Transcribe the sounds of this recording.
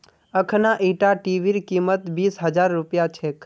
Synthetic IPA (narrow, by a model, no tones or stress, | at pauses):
əkʰnaʔiʈaʈiʋiɾkimət̪biːsɦəd͡ʒaːɾːʊpjat͡ʃʰek